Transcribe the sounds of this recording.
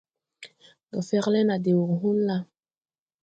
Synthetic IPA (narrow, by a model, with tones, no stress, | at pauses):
dɔ˨fɛ˦klɛ˦na˨de˨wu˨kɦu˦mla˦